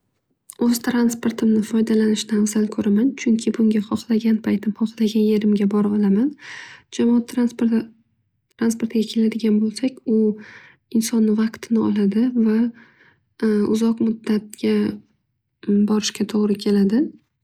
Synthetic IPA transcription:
ɵzt̪ʰɾanspoɾt̪ʰɪmnɪfɒjd̪alanɪʃnɪafzalkʰɵɾamant͡ʃʰʊŋkʲʰɪbʊŋɡʲaχɒχlaɡʲanpʰajt̪ʰɪmχɒχlaɡʲanje̞ɾɪmɡʲabɒɾɨlˠamand͡ʒamɒat̪ʰːɾa | t̪ʰɾanspo̞ɾt̪ɡʲakʲʰe̞lad̪ɪɡʲanbolˠsakʲʊ | ɪnsɒnːɪvɑqt̪ʰɪnɪɒlˠad̪ɪva | ʊzɒqmʊd̪ːat̪̚ɡʲa | bɒɾɪʃkʲat̪ʰoʁɾɪkʲʰe̞lad̪ɪ

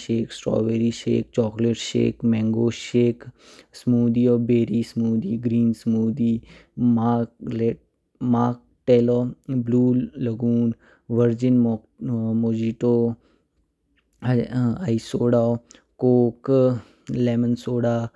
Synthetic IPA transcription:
ʃeːksʈɾɔ̰ːʋeːɾiʃḛːk̚t͡ʃɔːkleʈʃḛːkmɛŋɡoːʃeːk | smuːd̪ijɔːbeːɾiːsmuːd̪iːɡɾiːnsmuːd̪iːmale | maːk̚ | ʈeːlobluːlɐɡuːn | ʋəɾd͡ʒɪn | moːd͡ʒiʈo | aisoːɽa | koːk | leːmənsoːɽaː

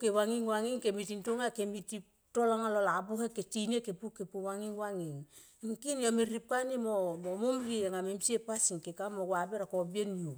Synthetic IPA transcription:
kewaŋiŋwaŋiŋkemitintoŋakemiti | tolaŋalolabuheketinekepukepuwaŋiŋwaŋiŋ | iŋkinaminrip̚kanimomomumɾiaŋamemsiepasiŋkekamoɡwabeɾakobienju

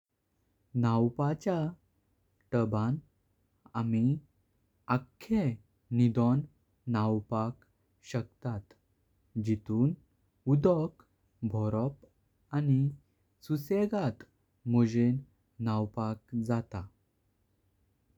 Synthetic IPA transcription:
nawpat͡ɕja | ʈəbãn | ami | akʰːe | nid̪ɔnː | awpak | ɕəkt̪at̪ | d͡ʑit̪uːn | ud̪ɔk | bʱɔɾɔp | ani | suseɡat̪ | mod͡ʑen | nawpak̚d͡zat̪a

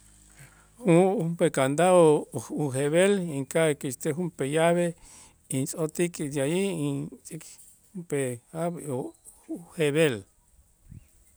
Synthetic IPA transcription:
hũumpekand̪aouɦeβelĩŋkakist̪eɦumpejaβe | int͡sʼot̪ikijajiĩt͡sʼik | upeaβo | heβel

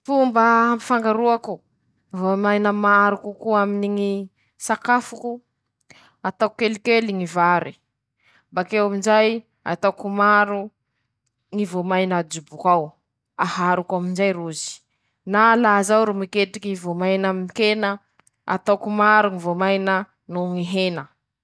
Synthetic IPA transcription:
fumbəambi̥faŋɡaɾuaku | vomajnəmaɾukukuaminiŋi | sakafuku | at̪awkelikeliŋivaɾi | mbakewamind͡ʒaj | a̰t̪awkumaɾu | ŋivomajnad͡ʒubukaw | ahaɾukamind͡ʒajɾuzi̥ | nalazawɾumikeʈ͡ʂikiivomajnamikenə | a̰t̪awkumaɾuŋivomajnə | nuŋiɦenə

